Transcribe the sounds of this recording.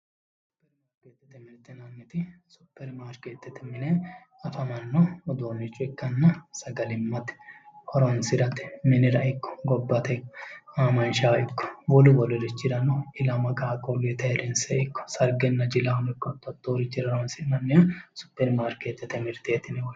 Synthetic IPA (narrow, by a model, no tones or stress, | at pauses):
sʊaʊpːɛɾmaːɾket̪ːɛt̪ɛmɪɾt̪ɛnɐnːɪt̪ɪsʊpːɛɾmaːɾkeːt̪ːɛt̪ɪmɪne | ɐfɐmɐnːɔːd̪oːnːɪt͡ʃːʊɪkːɐnːɐsɐɡɐlɪmːɐt̪hɔɾɔnsɪɾɐt̪mɪnɪɾɐʔɪkːɔ̥ɡɔbːɐt̪ɐɪkːaːmɐnʃaɪkːɔ̥wɔlʊwɔlʊɾɪt͡ʃːɪɾɐnːɔɪlɐmɐkʼaːkʼoɡet̪ɐɛɾɪnseɪkːɔ̥sɐɾɡɛnːɐd͡ʒɪlɐnɪkːɔt̪ːɔt̪ːoːɾɪt͡ʃːɪɾɐɔnsɪnɐnːɪjɐsʊ̥pːɛɾmaːɾkeːt̪ːɛt̪ɛmɪɾt̪eːt̪ɪnɪwɔ